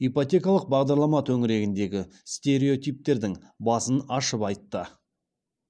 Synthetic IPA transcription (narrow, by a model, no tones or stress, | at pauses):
ipot̪ʲe̞kɑlˠəq̚bɑʁd̪ɑɾlˠɑmɑt̪ʰɵŋɪɾe̞ɡʲɪnd̪e̞ɡʲɪst̪e̞ɾe̞o̞t̪ʲijp̚t̪e̞ɾd̪ɪŋ | bɑsənɑʃəpɑjt̪ːə